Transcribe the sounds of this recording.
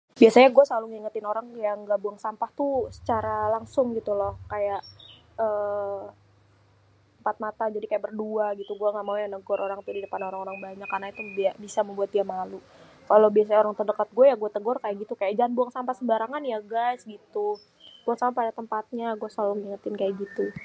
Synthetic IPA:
biasaɲaɡuasalʊŋiŋət̪ɪnoɾaŋjaŋɡaʔbuaŋsampaht̪usə̥t͡ʃaɾalaŋsʊŋɡit̪ulɔhkajaʔ | əː | əmpat̪̚mat̪ad͡ʒadikajaʔbərduaɡit̪uɡuaŋɡaʔmaujanəɡɔɾʔoɾaŋt̪udidəpanoɾaŋoɾaŋbaɲakːarnait̪ubiabisaməmbuat̪ijamalu | kalowbias̬aɲaoɾaŋt̪ərdəkat̪̚ɡuajaɡuat̪əɡɔrkajaʔɡit̪ukajaʔd͡ʒaanbuaŋsampahsəbaɾaŋanjaɡasɡit̪u | ɡ̥uasamapadat̪əmpat̪̚ɲaɡuasalʊŋiŋət̪ɪnkajaʔɡit̪u

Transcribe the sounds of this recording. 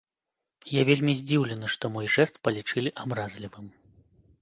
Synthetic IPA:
javʲelʲmʲizʲd͡zʲiwlʲɛnɨʂt̪ɔmɔjʐɛst̪̚pɐlʲit͡ʂɨlʲiʔabɾazʲlʲivɨm

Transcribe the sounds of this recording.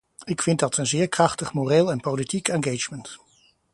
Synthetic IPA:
ɪkfɪnt̚dɑtənzɪːɹkrɑχtəχmoreːlˠɛnpolitikɛnɡejt͡ʃmənt

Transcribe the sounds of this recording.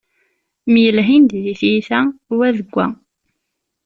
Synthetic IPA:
mjəlɦind̪ðiθjiθæwæðəɡʷːæ̰

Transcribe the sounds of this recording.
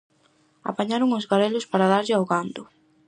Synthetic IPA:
a̰paɲaɾʊŋʊzɣaɾelʊspaɾaðaɾʎɪawɣand̪ʊ

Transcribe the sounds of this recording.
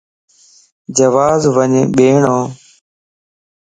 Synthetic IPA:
d͡ʒəʋaːzʋəɲːɓeːɳoː

